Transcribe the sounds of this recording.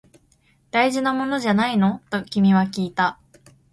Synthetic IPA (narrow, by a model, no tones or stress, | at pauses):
d̪̥aiʑinamo̞no̞ʑanaino̞t̪o̞kʲimʲiβakʲiːt̪a